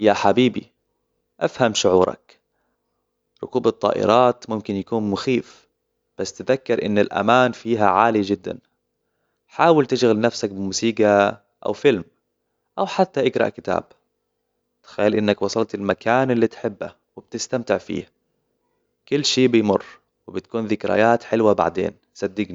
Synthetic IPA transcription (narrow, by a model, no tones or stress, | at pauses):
jaħabiːbḭ | ʔafhamʃʊʕṵːɾˤɑ̰k | ɾˤʊ̰kuːbɨt̪ˤːɑ̰ːʔɪ̰ɾˤɑːt̪mʊmkɪnjakuːnmʊxiːf | b̥asːt̪ɪðakːɪɾʔɪ̰nːɪlʔa̰maːnfiːɦaʕaːlid͡ʒɪd̪ːa̰n | ħaːwɪlt̪ɪʃɣalnafsakbɪmuːsiːɡa | ʔa̰wfɪlm | ʔawħat̪ːaʔɪɡɾˤɑ̰ʔkɪt̪a̰ːb̚ | t̪xajːalʔɪnːakwɑsˤɑlt̪ɪlmakʰaːnɪlːit̪ħɪbːa̰ | wɪb̥̚t̪ɪst̪amt̪ɪʕfḭːh | kʊlːʃiːbɪjmʊrː | wɪbɪt̪kuːnðɪkɾa̰jaːt̪ħɪlwaba̰ʕd̪ḛːn | sˤɑd̪ːɪɡni